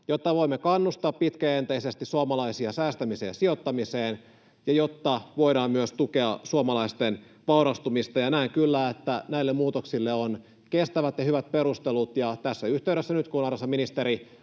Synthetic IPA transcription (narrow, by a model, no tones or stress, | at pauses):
jot̪ːɑʋoimːekɑnːust̪ɑːppit̪kæent̪eisest̪issuomɑlɑisiɑsæːst̪æmisḛːsiot̪ːɑmiseːn | jɑjot̪ːɑʋo̞iɾɑːmmyøst̪ukeɑsuomɑlɑist̪en | ʋɑuɾɑst̪umist̪ɑjɑnæiŋkylːæːet̪ːænæilːemuːt̪oksilːeon | kest̪æʋæt̪jɑhyʋæt̪̚peɾust̪elut̪jɑt̪æsːæyht̪eyɾesːænyt̪kunɑrɑsɑminist̪eɾi